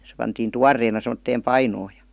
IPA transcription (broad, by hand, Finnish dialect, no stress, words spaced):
se pɑntiːn tuɑrːeːnɑ semə̆tːeːm pɑinoː jɑ̥